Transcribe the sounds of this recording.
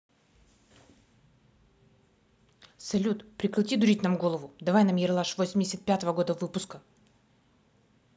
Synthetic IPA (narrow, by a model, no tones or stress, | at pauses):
sɐlʲut̪pɾʲɪkɾʲˠtʲid̪ʊɾʲitʲnamɡo̞lˠəvʊd̪ɐvajnamjɪɾlˠaʂvosʲɪmʲdʲɪsʲət̪̚pʲat̪əvəɡo̞d̪əvɨpʊskə